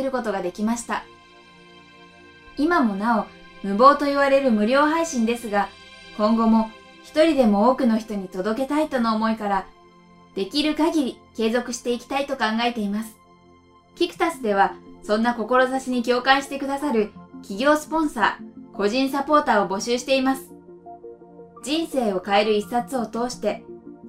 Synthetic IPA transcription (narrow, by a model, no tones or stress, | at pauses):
eɾɯ̟ko̞t̪o̞ɡad̪e̞kʲimaɕi̥t̪a | imamo̞nao̞ | mɯ̟bo̞ːt̪o̞iβaɾe̞ɾɯ̟mɯ̟ɾʲo̞ːɦaiɕĩnd̪e̞sɨɡakõ̞ŋɡo̞mo̞ | çi̥t̪o̞ɾʲid̪e̞mo̞oːkɯ̟no̞çʲi̥t̪o̞ɲ̟it̪o̞d̪o̞ke̞t̪ait̪o̞no̞ːmo̞ikaɾa | d̪̥e̞kʲiɾɯ̟kaɡʲiɾʲike̞ːzo̞kɯ̟̥ɕi̥t̪e̞ikʲi̥t̪ait̪o̞kãŋɡae̞t̪e̞imasɨ̥ | kʲikɯ̟̥t̪asɨd̪e̞β̞asõ̞nːako̞ko̞ɾo̞zaɕiɲ̟ikʲo̞ːkãɰ̃ɕi̥t̪e̞kɯ̟d̪asaɾɯ̟kʲiɡʲo̞ːsɨ̥põ̞ɰ̃sa̰ːko̞ʑĩɰ̃sapo̞ːt̪aːo̞bo̞ɕɨːɕi̥t̪e̞imasɨ̥ | d͡ʑĩɰ̃se̞ːo̞kae̞ɾɯ̟isːat͡sɨo̞t̪o̞ːɕi̥t̪e̞